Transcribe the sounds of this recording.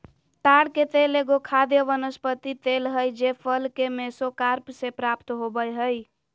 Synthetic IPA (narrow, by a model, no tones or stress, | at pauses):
t̪aɽket̪eleɡokʰad̪jəʋənəspət̪it̪elɦəjd͡ʒepʰəlkemesokaɾpsepɾapt̪ɦobəjɦəj